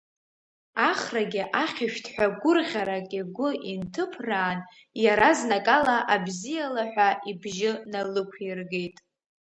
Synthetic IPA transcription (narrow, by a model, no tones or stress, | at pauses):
aχraɡʲɪʔaχʲɪʃᶣtʰħʷᶣaɡʷʊrʁʲaɾakʼiɡʷʊʔintʰɨpʰraːn | jaɾaznakʼalaʔabzijalaħʷᶣaʔibʒɪnalɨkʷʰirɡe̞jtʼ